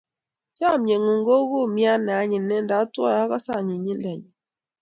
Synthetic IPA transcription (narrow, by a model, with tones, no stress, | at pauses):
t͡ʃa˦˨mɲe˨ŋo˨ŋɡo˦ɣu˦˨mja˦nɛ˨a˨˦ɲɪ˨nɛ˦nda˨˦twɔ˦˨ja˦ka˦sa˦˨ɲi˨ɲi˦ndɛ˨ɲɛ˨